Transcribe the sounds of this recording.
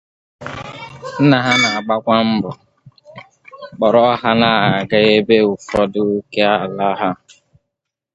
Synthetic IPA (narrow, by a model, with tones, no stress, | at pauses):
n̩˦na˨ɦa˦na˨a˨ɡ͡ba˦kʷa˦m̩˦bɔ˨ | k͡pɔ˨ɾɔ˦ɦa˦na˦˨a˨ɡa˦e˦be˦ʊ˨fɔ˦dʊ˦ke˦a˦˨la˦ɦa˦